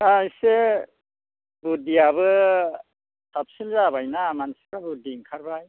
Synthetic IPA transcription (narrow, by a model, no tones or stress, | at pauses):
ajse | budiaβɯ | sap̚sinzabajnamansikabudiŋkʰaɾbaj